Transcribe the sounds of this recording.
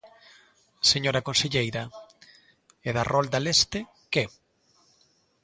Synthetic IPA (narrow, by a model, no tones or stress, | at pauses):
seɲoɾɐkonseʎejɾɐ | eðarɔld̪alest̪ɪ | ke